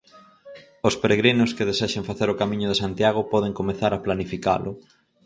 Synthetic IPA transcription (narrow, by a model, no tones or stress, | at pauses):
ospeɾeɣɾinʊskeðeseʃeɱfaθeɾʊkamĩɲʊðesant̪jaɣ̞ʊpɔð̞eŋkomeθaɾaplanifika̰lʔʊ